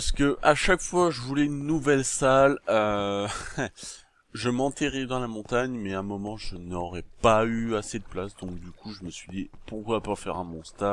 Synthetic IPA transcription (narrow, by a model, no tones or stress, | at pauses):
paʁsə̥kəʔaʃakfwaʒəvulɛynːuvɛlsalø | ʒəmɑ̃t̪eʁɛd̪ɑ̃lamɔ̃t̪aɲmɛɛ̃mɔmɑ̃ʒənɔʁɛpayased̪əplasd̪ɔ̃k̚d̪ykʰuʒəməsɥid̪ipuʁkwapafɛ̰ʁɛ̃mɔ̃st̪a